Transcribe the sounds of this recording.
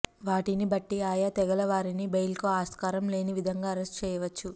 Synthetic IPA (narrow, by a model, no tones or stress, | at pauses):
ʋaːʈinibɐʈːiaːjaːt̪ɛɡɐlɐʋaːɾinibejlkoːaːskaːɾɐmle̞ːniʋid̪ʱɐŋɡaːɐɾesʈt͡ʃɛːjɐʋɐt͡ʃːu